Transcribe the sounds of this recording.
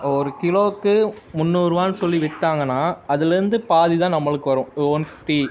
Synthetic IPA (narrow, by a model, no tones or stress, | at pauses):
ɔɾɯkɪloːkːɯ | mʊnːuːɾɯʋaːnɯsɔlːiʋɪʈːaːŋɡɐnːaːɐðɪlɛɾɯnd̪ɯpaːðit̪ãːnɐmːɐɭɯkːɯʋɐɾʊ̃oːnʈi